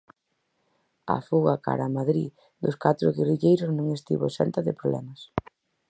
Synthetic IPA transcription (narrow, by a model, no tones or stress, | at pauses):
a̰fuɣaka̰ɾamaðɾi | d̪ʊskat̪ɾʊɣeriʎejɾʊznõŋest̪ḭβʊsɛ̰nt̪ɐðɪpɾoβlɛ̰mɐs